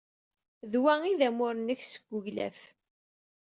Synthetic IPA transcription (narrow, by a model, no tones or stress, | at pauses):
ðwæiðæmʊɾənəçsə̥ɡ̥ʷːʊʝlæ̰f